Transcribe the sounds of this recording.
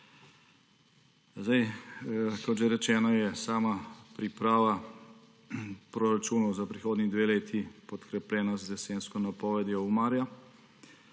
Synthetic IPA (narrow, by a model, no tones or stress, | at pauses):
zd̪aj | kɔt̪ʒɛɾɛt͡ʃɛːnɔjɛsaːmapɾipɾaːʋa | pɾɔɾat͡ʃuːnɔwzapɾixoːd̪nid̪ʋeːleːt̪ʰipɔt̪kɾɛplɛːnazd̪ɛseːnskɔnapɔːʋɛd̪jɔwmaːɾja